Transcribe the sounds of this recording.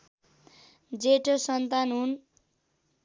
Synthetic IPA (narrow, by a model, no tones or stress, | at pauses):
d͡zeʈosʌnt̪anɦun